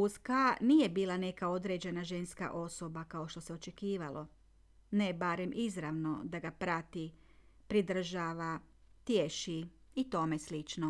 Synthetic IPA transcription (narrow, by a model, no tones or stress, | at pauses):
uskanije̞biːlˠane̞kao̞d̪ɾe̞d͡ʑe̞naʒe̞nska̰ʔo̞so̞bakao̞ʃt̪o̞seo̞t͡ʃe̞kiːʋalʔo̞ | ne̞baɾe̞mʔizɾaʋno̞d̪aɡapɾat̪i | pɾid̪r̩ʒaːʋa | t̪jeʃiit̪o̞me̞slit͡ʃno